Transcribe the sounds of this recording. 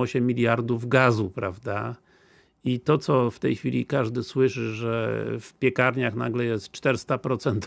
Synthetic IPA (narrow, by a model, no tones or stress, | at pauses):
ɔɕɛmʲːilʲjaɾd̪uvɡazupɾavd̪a | it̪ɔt̪sɔft̪ɛjxfʲḭlʲḭkaʐd̪ɘswɘʂɘʐɛ̰fpʲjɛkaɾɲaxna̰ɡlɛjɛst̪t͡ʂt̪ɛɾst̪apɾɔt̪sɛnt̪